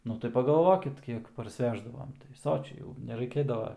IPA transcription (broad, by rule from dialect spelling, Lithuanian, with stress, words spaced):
ˈnʊ tɐɪ pɐɡɐˈlˠʋoːkʲɪt ˈkʲiɛk pɐrʲsʲˈʋʲæːʒdɐʋoːm tɐɪ ˈsoːt͡ʃʲɛɪ jɛʊ nʲɛrɐɪˈkʲeːdɐʋɐ